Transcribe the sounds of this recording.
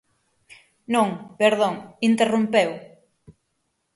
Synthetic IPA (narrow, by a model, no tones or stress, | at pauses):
nõŋpeɾðõŋint̪erumpew